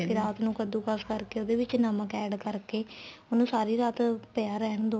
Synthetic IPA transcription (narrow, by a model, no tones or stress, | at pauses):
kɪɾaːt̪nũːkəd̪ũːkəskəɾkeːoːd̪eːʋɪt͡ʃnaməkɛːɖkəɾkeːonũːsaːɾiːɾaːt̪pəaːɾɛɦnd̪oː